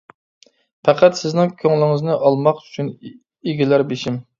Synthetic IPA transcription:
pʰæqʰæt̪sɪznɪŋkʲʰøŋlɪŋɪznɪʔɑlˠmɑqy̥t͡ʃʰyn | eɡʲilæɾbeʃim

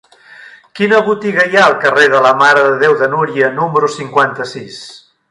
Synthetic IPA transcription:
kinəβut̪iɣəiaəlˠkəreðələmaɾəðəðewðənuɾiənuməɾusiŋkwant̪əsis

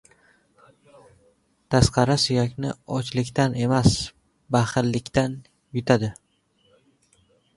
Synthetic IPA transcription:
t̪ʰasqʰɑɾasʊjakʲnɪɒt͡ʃlɪkʲt̪ane̞mas | baχɨɾlɪkʲt̪an | jʊt̪ʰad̪ɪ

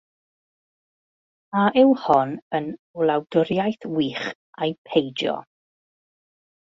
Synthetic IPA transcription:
aʔɪwhɔnənulˠawdʊɾjajθwiːχ | ajpʰejdjɔ̰

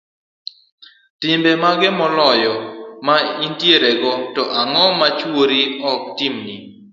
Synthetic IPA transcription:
tɪmbemaɡɪmɔlɔjɔmaintjeɾeɡɔtɔʔaŋɔmat͡ʃwoɾiɔk̚timni

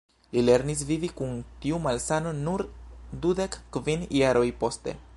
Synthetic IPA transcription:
lile̞ɾnis̬vivikunt̪iumalsano̞nuɾd̪ude̞kːvinjaɾojpo̞ste̞̰

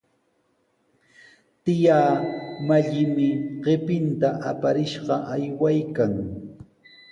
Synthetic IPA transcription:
t̪ɪjaːmaʎɪmɪɢɪpɪnt̪aʔapaɾɪʃɢɑʔajwajkaŋ

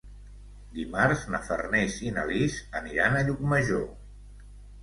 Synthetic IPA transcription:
d̪imaɾznə̰fə̰rnezinə̰lizəniɾanəʎuk̚məʒo

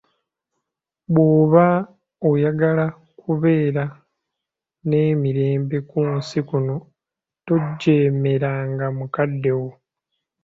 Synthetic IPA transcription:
βwoːβa | ojaɡala | kuβe̞ːɾa | ne̞ːmiɾe̞ːmbe̞kunsikuno̞ | to̞ɟːeːme̞ɾaːŋɡamukadːe̞wo

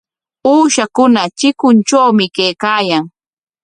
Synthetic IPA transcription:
uːʃakʊnat͡ʃɪkʊnt͡ʃawmɪkejkaːjaŋ

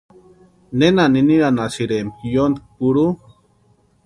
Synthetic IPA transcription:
nenaniniɾanasiɾemjond̪k̚puɾu

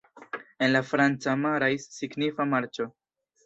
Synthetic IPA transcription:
e̞nlafɾant͡samaɾajsːiɡnifamaɾt͡ʃo̞

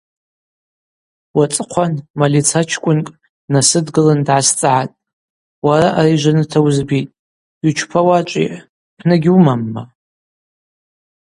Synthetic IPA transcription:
wat͡sʼɨqʷʰanmalit͡sʰat͡ʃʰkʷʼʊnkʼ | nasɨdɡɨlandʕast͡sʼʕatʼ | waɾaʔaɾiʒʷanɨtʰawzbitʼ | ut͡ʃʷʰpʰawat͡ʃʷʼḭ | pʰnɨɡʲumamːa

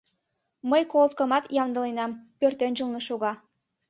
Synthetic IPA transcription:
məjkolt̪̚kə̆mɑt̪jɑmd̪ə̆lenɑmpørt̪enʒəlˠnəʃuɣɑ

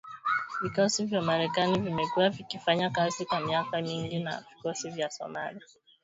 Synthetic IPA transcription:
vikɔsivjamaɾɛkanivimɛkuwavikifaɲakazikwamiakamiŋɡina̰vikɔsivjasɔ̰maɾia

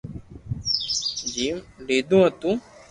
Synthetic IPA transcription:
d͡ʒiːmɖeːd̪ũːɦət̪ũː

